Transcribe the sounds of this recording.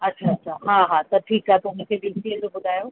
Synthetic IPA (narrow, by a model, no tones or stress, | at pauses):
ɐtːɕʰaɐtːʃʰaːɦãːɦat̪ɐʈʰiːkaɦet̪ɐmũkʰebiːsiəd͡ʑobʊd̪ʱaːjoː